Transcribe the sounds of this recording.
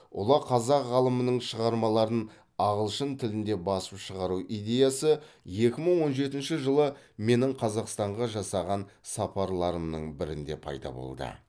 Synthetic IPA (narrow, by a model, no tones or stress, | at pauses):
ʊ̰lˠɑqʰɑzɑqʁɑlˠəmənəɴʃəʁɑɾmɑlˠɑɾən | ɑʁəlˠʃənt̪ʰɪlɪnd̪e̞bɑsəpʃəʁɑɾuʔijd̪ʲe̞jasəje̞kʲɪməɴwo̞nʒe̞t̪ɪnʃɪʒəlˠəme̞nɪɴqʰɑzɑqst̪ɑɴʁɑʒɑsɑʁɑnsɑpʰɑɾlˠɑɾəmnəɴbɪɾɪnd̪e̞pʰɑ̰jd̪ɑ̰bo̰lˠd̪ə̰